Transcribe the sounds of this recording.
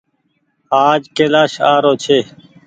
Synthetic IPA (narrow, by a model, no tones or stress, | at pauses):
aːd͡ʒkeːlaːʃaːɾoːt͡ʃʰeː